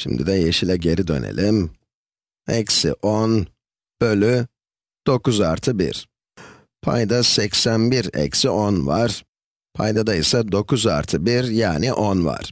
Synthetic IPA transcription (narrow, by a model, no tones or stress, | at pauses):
ʃḭmd̪id̪ɛjeʃilʲɛɟe̞ɾid̪ø̞̰nḛlʲim | ɛcsḭʔon | b̥ø̞lʲy | d̪̥o̞kuzaɾt̪ʰɯbḭɾ̥ | pʰa̰jd̪asɛcsænbiɾɛ̰csiʔonvaɾ̥ | pʰajd̪ad̪ajisad̪o̞kʰuza̰ɾt̪ʰɯbiɾjaːniʔonva̰ɾ̥